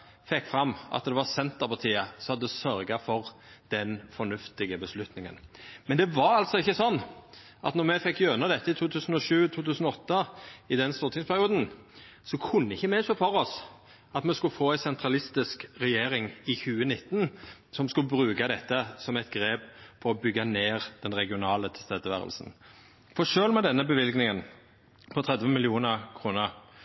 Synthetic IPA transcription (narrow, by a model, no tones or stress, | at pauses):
fɛkːfʁɑmːʔɑ̰t̪̚d̪ɛʋɑsɛnt̪əʁpʰɑʁt̪ʰiːəsɔhɑd̪ːəd̪ɛsœɾɡɑfɔɾd̪̥ɛnfɔnʉft̪ɪɡəbəslʉt̪nɪŋə̰nmɛnd̪ɛʋɑɾɑlt̪sɔɪçːəsɔnː | ʔɑt̪nɔɾmɛfɛkːjœnɑd̪ɛt̪ːəɪt̪ʰuːt̪ʰʉːsn̩ɔʂʉːt̪ʰuːt̪ʰʉːsnɔɔt̪ːɑɪd̪ɛnst̪uːɾt̪ʰɪŋspʰæɾɪuːd̪n̩ | sɔkʰʊnːəɪçːəmɛʂoːfɔɾɔs | ɑt̪mɛskʉlfoːæɪsɛnt̪ʰʁɑlɪst̪ɪskʁɛjeːɾɪŋɪçʉːənɪt̪ːnsɔmskʉlbɾʉːkɑd̪ɛt̪ːəsɔmɛɪt̪ɡɾeːpfʰɔʁɔbʏɡːɑneːʁd̪̥ɛnʁɛɡɪʊnɑːlət̪ʰɛ̥st̪eːd̪əʋæ̰ːʁə̰lsn | fɔʂøːlmɛd̪ɛnːəbəʋɪlɡnɪŋən | pʰɔt̪ʰɾɛd̪ʋənmɪlɪuːnəʁkʰʁuːnəʁ